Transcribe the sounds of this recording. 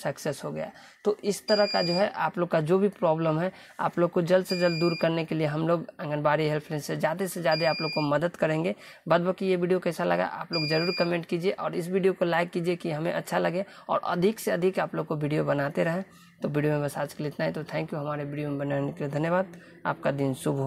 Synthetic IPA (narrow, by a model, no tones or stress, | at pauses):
səɐksesɦoɡɐ̰ja̰ | t̪oʔɪst̪əɾəɦkad͡ʒoːɦɛʔaːploːɡkad͡ʒoːbʱipɾɔːbləmɦɛ | a̰ːploːɡ̚kod͡ʒɐld̪sed͡ʒɐld̪̚d̪uːɾkɐɾnekelieɦɐmloːɡɛ̃ŋɡənbaːɾiɦɛlpʰlɛ̃ɪnsed͡ʒjaːd̪esed͡ʒjaːd̪eaːploːɡ̚komɐd̪əd̪kəɾẽːŋɡe | bəd̪̚bəkijeʋiːɖijokɛɪsalɐ̰ɡa̰ʔa̰ːploːɡd͡ʒɐɾuːɾikəmẽːɳʈkid͡ʒieʔɔːɾɪsʋiːɖijokolaɪkːiːd͡ʒiekiɦɐmḛ̃ʔɐtːʃʰalɐɡẽɔ̰ːɾɐ̰d̪ʱɪkseɐd̪ʱikaːploːɡ̚koʋiːɖijobɐnat̪eɾɐɦẽ | t̪oʋiɖijomẽbɐsaːt͡ʃkelit̪naːɛ̃t̪ot̪ʰɛ̃ːŋkjuɦɐmaːɾeʋiːɖijomẽbɐnanekeied̪ʱɐənjəʋaːd̪̚ | a̰ːp̚kad̪insʊbʱɦo